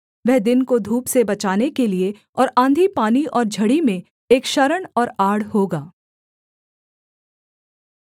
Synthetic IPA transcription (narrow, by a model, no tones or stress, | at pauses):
ʋɛɦd̪ɪnkod̪ʱuːpsebɐt͡ʃaːnekelie | ɔːɾãːnd̪ʱipaːniʔɔːɾd͡ʒʱɐɽimẽ | eːkʃɐɾəɽ̃ɔːɾaːɽhoːɡaː